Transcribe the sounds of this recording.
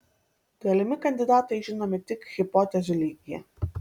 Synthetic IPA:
ɡɐlʲɪmʲɪkɐnʲd̪ʲɪd̪ɑːt̪ɐɪʒʲɪnoːmʲɪt̪ʲɪkɣʲɪpoːt̪ʲɛzʲʊlʲiːɡʲɪjɛ̰

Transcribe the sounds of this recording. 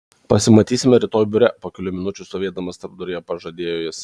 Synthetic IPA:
pɐsʲɪmɐt̪ʲiːsʲɪmʲɛɾʲɪt̪oːjbʲʊɾʲɛpoːkʲɛlʲʊmʲɪnʊt͡ʃʲʊst̪oːʋʲeːd̪ɐmɐst̪ɐɾbd̪ʊɾʲɪjɛpɐʒɐd̪ʲeːjoːjɪs

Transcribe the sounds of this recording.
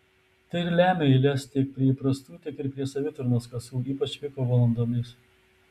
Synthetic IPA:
t̪ɐɪɪɾlʲæːmʲeɪlʲɛst̪ʲɪk̚pʲɾʲiɛipɾɐst̪uːt̪ʲɪkɪɾpʲɾʲiɛsɐʋʲɪt̪ʊɾnoːskɐsuːiːpɐt͡ʃʲʋʲɪkoːʋɐlˠɐnd̪oːmʲɪs

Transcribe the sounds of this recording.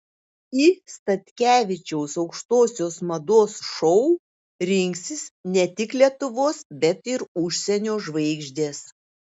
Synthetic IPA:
ɪst̪ɐt̪ʲkʲæːʋʲɪt͡ʃʲɛʊsɒʊkʃt̪oːsʲoːsmɐd̪oːsʃɔʊ | ɾʲɪŋʲksʲɪsnʲɛt̪ʲɪklʲiɛt̪ʊʋoːsbʲɛt̪ɪɾʊʃʲsʲɛnʲoːʒʋɐɪɡʒʲd̪ʲeːs

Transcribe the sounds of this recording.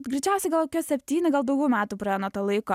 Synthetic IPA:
ɡɾʲɛɪt͡ʃʲɛˑʊsʲɛɪɡɐlˠkoːkʲuːsʲɛpʲt̪ʲiːnʲɪɡɐlˠd̪ɐʊɡʲɛːmʲæːt̪uːpɾɐɛnot̪oːlˠɐɪkoː

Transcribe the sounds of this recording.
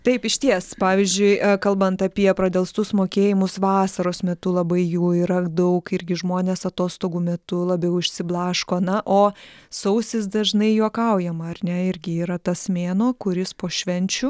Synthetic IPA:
t̪ɐɪpɪʃʲt̪ʲiɛspɑːʋʲɪzʲd͡ʒʲʊɪkɐlˠbɐnt̪ɐpʲiɛpɾɐd̪ʲɛlˠst̪ʊsmoːkʲeːjɪmʊsʋɑːsɐɾoːsmʲɛt̪ʊlˠɐbɐɪjuːiːɾɐd̪ɐʊkɪɾʲɡʲɪʒmoːnʲeːsɐt̪oːst̪oːɡuːmʲɛt̪ʊlˠɐbʲɛʊʊʃʲsʲɪblˠɑːʃkoːnɐʔoː | sɐʊsʲɪsd̪ɐʒnɐɪjuɔkɐʊjɛmɐɐrnʲɛɪɾʲɡʲɪiːɾɐt̪ɐsmʲeːnoːkʊɾʲɪspoːʃʲʋʲɛnʲt͡ʃʲʊ

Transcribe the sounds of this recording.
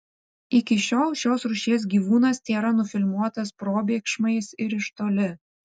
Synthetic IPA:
ɪkʲɪʃʲoːlˠʃʲoːsɾʊʃʲeːs̬ɡʲiːʋuːnɐst̪ʲeːɾɐnʊfʲɪlʲmuɔt̪ɐspɾoːbʲeːkʃmɐɪsɪɾɪʃt̪oːlʲɪ

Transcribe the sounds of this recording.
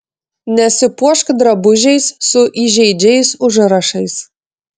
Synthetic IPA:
nʲɛsʲɪpuɔʃkd̪ɾɐbʊʒʲɛɪssʊʔiʒʲɛɪd͡ʒʲɛjsʊʒɨɾɐʃɐɪs

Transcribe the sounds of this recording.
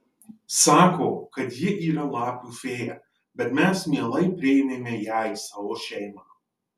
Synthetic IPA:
sɑːkoːkɐt̪jɪʔiːɾɐlˠɑːkufʲeːjɛ | bʲɛt̪mʲæsmʲiɛlˠɐɪpʲɾʲɪɪmʲemʲejæːjsɑːʋoːʃʲɛɪmɑː

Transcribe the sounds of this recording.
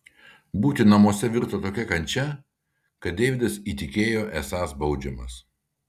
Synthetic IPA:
buːt̪ʲɪnɐmuɔsʲɛʋʲɪɾt̪ɐt̪oːkʲɛkɐnʲt͡ʃʲɛ | kɐt̪̚d̪ʲeːʋʲɪd̪ɐsiːt̪ʲɪkʲeːjoːʔɛsɑːsbɐʊd͡ʒʲɪmɐ̰s

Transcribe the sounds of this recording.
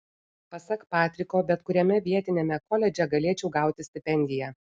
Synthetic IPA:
pɐsɐkpɑːt̪ʲɾʲɪkoːbʲɛt̪kʊɾʲɛmʲɛʋʲiɛt̪ʲɪnʲemʲɛkɔlʲɛd͡ʒʲɛɡɐlʲeːt͡ʃʲɛʊɡɑˑʊt̪ʲɪsʲt̪ʲɪpʲɛnʲd̪ʲɪjɛ

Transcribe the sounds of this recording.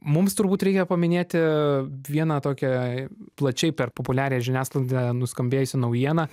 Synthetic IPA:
mʊmst̪ʊɾbuːt̪ɾʲɛɪkʲɛpɐmʲɪnʲeːt̪ʲɪʋʲiɛnɐt̪oːkʲɛplˠɐt͡ʃʲɛɪpʲɛrpopʊlʲæːɾʲejʒʲɪnʲæːsklˠɐnʲd̪ʲɛnʊskɐmʲbʲeːjʊsʲɪnɐʊjiɛnɐ

